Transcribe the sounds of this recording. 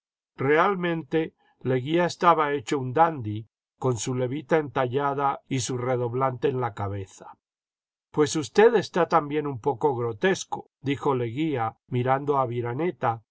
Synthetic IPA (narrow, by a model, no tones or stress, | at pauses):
re̞almẽ̞nt̪e̞ | le̞ɣiaest̪aβae̞t͡ʃound̪and̪i | ko̞nsule̞βit̪aent̪aʎaðaisure̞ðo̞βlant̪e̞ːnlakaβeθḁ | pwe̞sust̪e̞ðe̞st̪at̪ambje̞numpo̞ko̞ɣɾo̞t̪e̞sko̞̥ | d̪ixo̞le̞ɣiamiɾand̪o̞aβiɾane̞t̪a